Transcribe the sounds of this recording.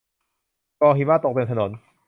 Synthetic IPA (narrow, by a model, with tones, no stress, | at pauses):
kɔː˧ɦiː˨˦maː˥˩t̪o˨˩k̚t̪e˧˨t̪ʰa˧no˩˦n